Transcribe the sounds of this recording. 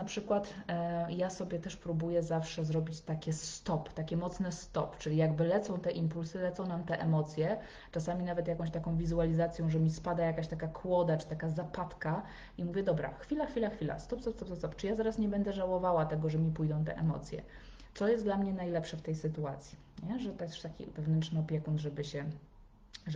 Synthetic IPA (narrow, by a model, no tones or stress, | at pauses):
napʂɘkwat̪jasɔbʲjɛt̪ɛʂpɾubujɛzafʂɛzɾɔbʲit͡ɕt̪akʲɛst̪ɔpt̪akʲɛmɔt̪snɛst̪ɔ̰pt͡ʂɘlʲijaɡbɘlɛt̪sɔ̃w̃t̪ɛʔimpulsɘlɛt̪sɔ̃w̃namt̪ɛʔɛmɔt̪sʲjɛ | t͡ʂasamʲinavɛt̪jakɔ̃ɕt̪akɔ̃w̃vʲizualʲizat̪sʲjɔ̃w̃ʐɛmʲispad̪ajakaɕt̪akakʰwɔd̪at͡ʂɘ̥t̪akazapat̪ka | imuvʲjɛd̪ɔbɾa̰xfʲilaxfʲilaxfʲila̰st̪ɔpsɔpst̪ɔpsɔpst̪ɔpt͡ʂɨjazaɾasɲɛbɛnd̪ɛʐawɔvawat̪ɛɡɔʐɛmʲipujd̪ɔ̃w̃t̪̬ɛ̰ʔɛ̰mɔ̰t̪sʲjɛ̰ | t̪sɔjɛst̪d̪lamɲɛnajlɛpʂɛft̪ɛjsɘt̪uat̪sʲji | ɲɛʐɛt̪ɔjɛsʂt̪akʲḭvɛvnɛntʂnɛɔpʲjɛkund̪ʐɛbɘɕɛ | ʐ